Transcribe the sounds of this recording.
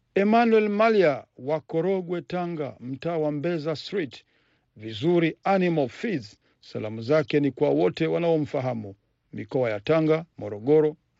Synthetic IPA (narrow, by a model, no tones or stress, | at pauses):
ɛmanwɛlmaliawakɔɾɔɡwɛtaŋɡa̰m̩taːwambɛzastɾit | vizuɾianimalfiz | sa̰lamuzakɛnikwawɔtɛwanaɔm̩faɦamu | mikɔajataŋɡamɔɾɔɠɔɾɔ